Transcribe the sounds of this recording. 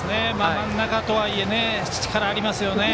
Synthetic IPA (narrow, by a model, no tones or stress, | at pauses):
nemanːakat̪oaiene | t͡ɕi̥t͡ɕi̥kʰaɾaːɽimasɨjone